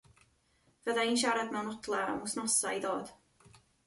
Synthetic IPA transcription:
vəðaiːnʃ̬aɾadmawnɔtʰlˠaə̰mʊsnɔsa̰iðoːd̥

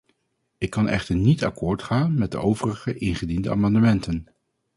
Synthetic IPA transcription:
ɪkːɑnʔɛ̰χtəɹnitɑ̰kʊːɹtχaːnmɛt̚də̰ʔowvərəχəʔɪnχədindəa̰ːmɑndəmɛntən

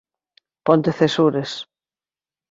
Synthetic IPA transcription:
pont̪eθesuɾes

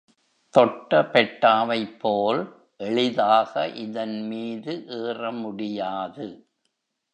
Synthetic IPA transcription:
t̪ɔʈːɐpɛʈːaːʋɐɪpʰːoːl | ʔɛɭɪðaːɣɐʔɪðɐnmiːðɯʔeːrɐmʊɽɪjaːðɯ

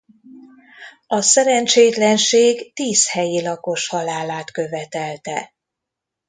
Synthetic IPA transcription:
ɒsɛɾɛnt͡ʃeːt̪lɛnʃeːɡt̪iːshɛjilɒko̞ʃhɒlaːlaːt̪kø̞vɛt̪ɛlt̪ɛ

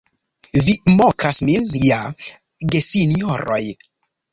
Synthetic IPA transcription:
vimokʰasminja | ɡesinioɾo̰j

